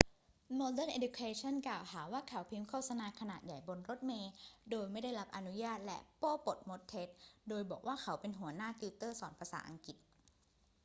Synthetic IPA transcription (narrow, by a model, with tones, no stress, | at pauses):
mɔː˧dɛː˥˩nʔe˧du˧kʰeː˧t͡ɕʰɔ˥˨nklaː˨˩whaː˩˦waː˥˩kʰa˨˩˦wpʰi˦˥mkʰoː˥˩t̪̚sa˧naː˧kʰa˧naː˨˩t̪̚ja˨˩jbo˧nɾo˦˥t̪̚meː˧doː˧jma˥˩jda˥˩jɾa˦˥p̚ʔa˧nu˦˥jaː˥˩t̪̚lɛ̰˦˥ʔpɔː˥˩po˨˩t̪̚mo˦˥t̪ʰːe˦˥t̪̚doː˧jbɔː˨˩k̚waː˥˩kʰa˩˦wpe˧nɦu˩˦ɐnaː˥˩t̪iː˧wt̪ɤː˥˩sɔː˩˦npʰa˧sa̰ː˩˦ʔa̰˧ŋki˨˩t̪̚